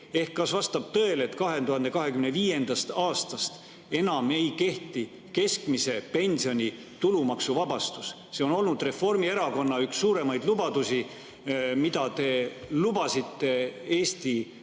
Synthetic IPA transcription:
e̞hkːɑsvɑst̪ɑb̥̚t̪ɤele̞t̪kɑɦe̞t̪uhɑnd̪e̞kɑɦe̞kymneviːje̞nd̪̥ɑst̪ɑːst̪ɑst̪ | e̞nɑme̞jke̞ht̪i | ke̞skmise̞pe̞nʲsio̞nʲi | t̪ulumɑksuvɑbɑst̪us | se̞ono̞lnud̪re̞fo̞rmie̞ɾɑko̞nːɑyksːuːɾe̞mɑjd̪lubɑd̪̥usi | mid̪̥ɑt̪e̞lubɑsit̪ːe̞eːst̪i

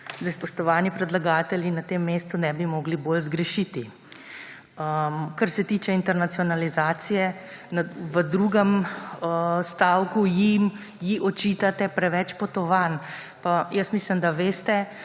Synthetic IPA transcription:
zaspɔʃt̪ɔʋaːnipɾɛd̪laɡaːt̪ɛljinat̪emːeːst̪unɛbimɔɡliboːlzɡɾɛʃit̪i | əmkaɾsɛt̪iːt͡ʃɛint̪ɛɾnat̪siɔnalizaːt̪sijɛnaʋəd̪ɾuːɡəməst̪aːwkujim | jiɔt͡ʃiːt̪at̪ɛpɾɛʋɛt͡ʃpɔt̪ɔʋan | pajəsmislimd̪aʋeːst̪ɛ

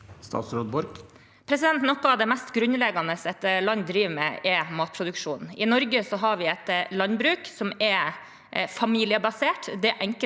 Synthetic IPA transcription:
st̪ɑ̰ːt̪sɾod̪̚bɔɾɡ | pʰɾɛsɪd̪ɛnt̪nɔkːɔɑʋd̪ɛmɛst̪ɡɾʉnlɛɡɑnəsɛt̪lɑnd̪ɾiːʋmɛ̰ɛmɑːt̪̚pʰɾʊd̪ʉkʂuːnɪnɔɾɡəsɔɦɑɾʋɪɛt̪lɑnbɾʉːksɔmɛ | fɑmiːlɪəbɑseːʈd̪ɛʔɛŋk

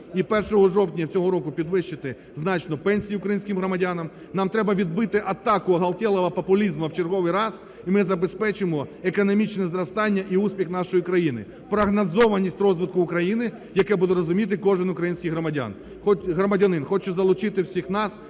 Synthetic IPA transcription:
ipɛrʃɔɦɔʒɔwtʲnʲɐt͡sʲɔɦɔɾɔkʊpʲid̪ʋɪʃt͡ʃːɪt̪ɪ | znɑt͡ʃnɔpɛnʲsʲijiʊkɾɐjinʲsʲkʲɪmɦɾɔmɐdʲanɐm | nɑmt̪ɾɛbɐʋʲid̪̚bɪt̪ɪʔɐt̪ɑkʊɐɦɐlˠtʲɛlˠɔʋɐpɐpʊlʲizmɐwt͡ʃerɦɔʋɪjɾɑs | imɪzɐbespɛt͡ʃɪmɔekɔnɔmʲit͡ʃnɛzɾɐst̪ɑnʲːɐʔiusʲpʲixn̪ɑʃɔjikɾɐjinɪ̰ | pɾɐɦnɐzɔʋɐnʲisʲtʲrɔzʋɪt̪̚kʊːkɾɐjinɪ | jɐkɛbud̪ɛɾɔzʊmʲit̪̬ɪkɔʒɪnʊkɾɐjinʲsʲkʲɪjɦɾɔmɐdʲa̰n | xɔtʲɦɾɔmɐdʲɐnɪnxɔt͡ʃʊzɐlˠʊt͡ʃɪt̪ɪwsʲixnɑs

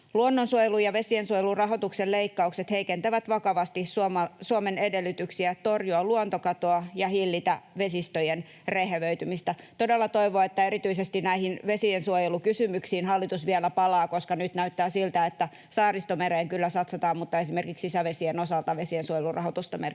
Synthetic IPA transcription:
luonːonsuojelujɑʋesiensuojelurɑɦot̪ukselleikːɑukset̪heikent̪æʋæt̪ʋɑkɑʋɑst̪isuomɑsuomenedelːyt̪yksiæt̪orjuɑluont̪okɑt̪oɑjɑhilːit̪æʋesist̪ojen | reheʋøyt̪ymist̪æt̪odelːɑt̪o̞iʋoːet̪ːæeɾit̪yisest̪inæihinʋesiensuojelukysymyksiːnhɑlːit̪usʋiɛlæpɑlɑːkoskɑnyt̪næyt̪ːæːsilt̪æet̪ːæ | sɑːrist̪omeɾeːŋkylːæsɑt̪sɑt̪ɑːmmut̪ːɑesimerkiksisæʋesienosɑlt̪ɑʋesiensuojelurɑ̰hot̪ust̪ɑmer

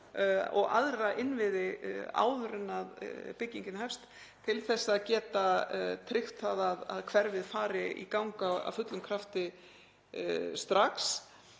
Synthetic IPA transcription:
ɔ̰ɣa̰ðɾaʔɪnvɪðɪa̰ːwðɾʏnːaðpɪcːiɲcɪnhɛfst̪ | t̪ʰːɪlθɛsːaaːðcɛːt̪at̪ʰɾɪxt̪aðaða̰ðkʰv̥ɛɾvɪðfaːɾɪʔḭkawŋkaa̰fʏt̪lʏmkʰɾaft̪ɪ | st̪ɾaks

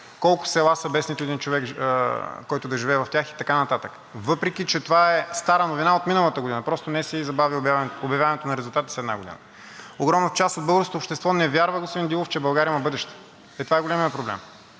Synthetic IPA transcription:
kɔlˠkʊ̥sɛlˠasɐbɛsnit̪oɛd̪int͡ʃovɛk | kɔjt̪ʊd̪ɐʒivɛːvɐft̪ʲjaxi̥t̪ɐkanɐt̪at̪ək | vɤpɾɛkʲit͡ʃɛt̪ovaɛst̪aɾənovinaot̪minəlˠət̪əɡod̪inəpɾɔst̪onɛsɛizɐbavibavobjɐvʲjavɐnɛt̪onɐɾɛzʊlˠt̪at̪ə̥sɛd̪na̰ɡod̪ḭnə̰ | oɡɾɔmnət͡ʃast̪od̪bɤlˠɡəɾskot̪oːpʃt̪ɛst̪vɔnɛvʲjaɾvəɡospod̪ind̪ilˠoft͡ʃɛbɐlˠɡaɾiəimɐbɤd̪ɛʃt̪ɛ̥ | ɛt̪ovaɛɡolʲɛmijətpɾoblɛ̰m

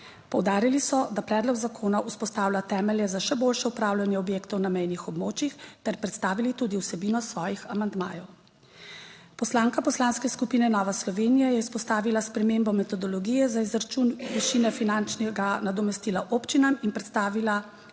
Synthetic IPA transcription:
pɔwd̪aːɾilisɔd̪apɾɛːd̪lɔɡzakʰoːnaʔuspɔst̪aːwlʲat̪ɛːmɛljɛzaʃɛboːlʃɛupɾaːwlʲanjɛɔbjeːkt̪ɔwnamɛjnixɔbmoːt͡ʃjixt̪ɛɾpɾɛt̪st̪aːʋilit̪ud̪iwsɛbiːnɔsʋɔːjixamand̪ma̰ːjɔw | pɔslaːŋkapɔslaːnskɛskupiːnɛnɔʋaslɔʋeːnijajɛispɔst̪aːʋilaspɾɛmeːmbɔmɛt̪ɔd̪ɔlɔɡiːjɛzaizɾat͡ʃunʋiʃinɛfinant͡ʃnɛɡanad̪ɔmɛst̪iːlaʔoːpt͡ʃinaminpɾɛt̪st̪aːʋila

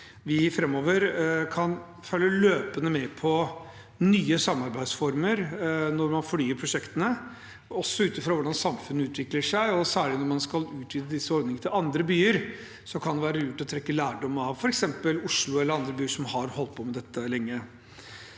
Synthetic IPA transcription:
ʋɪfɾɛmːoːʋəɾkʰɑn | fœlːəløːpənəmɛpʰɔ | nyːəsɑmːɑɾbæɪd̪sfɔɾməɾnɔɾmɑnfɔlyːəɾpʰɾʊʂɛkt̪ənə | ɔsːɔʉːt̪ɪfɾoːʋʊɖɑnsɑmfʉnːəʉːt̪ʋɪkləʂæɪɔsæːɭɪnɔɾmɑnskɑlʉːt̪ʰʋiːd̪əd̪ɪsːəɔɾd̪nɪŋət̪ʰɪlɑnd̪ɾəbyːəɾ | sɔkʰɑnd̪ɛʋæːɾəjʊʈːɪlɔt̪ʰɾɛkːəlæːɖɔmːəɑʋfɔɾɛksɛmpəlʊʂɭʊɛlːəɾɑnd̪ɾəbyːəʂɔmhɑɾhɔlt̪̚pʰɔmɛd̪ɛt̪ːəlɛŋːə

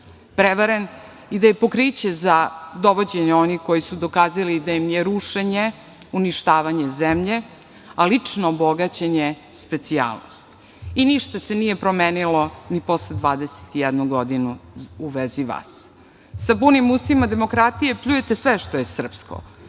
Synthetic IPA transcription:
pɾeʋaɾen | id̪ajepo̞kɾit͡ɕezad̪o̞ʋod͡ʑe̞ɲeo̞niko̞jisud̪o̞kaːzalid̪ajimjeɾuʂeɲe | uniʃt̪aːʋaɲe̞zemʎe̞ | alit͡ʂnoːboɡat͡ɕeɲe | spe̞t̪sia̰ːlˠno̰st̪ | iniʃt̪asenijepɾo̞meːnilonipo̞sled̪ʋaːd̪ese̥t̪ijɛd̪nuɡod̪inuuʋeziʋa̰ːs | sapunimust̪imad̪e̞mo̞kɾat̪ije̞pʎuje̞t̪esʋeʃt̪oje̞sr̩psko̰

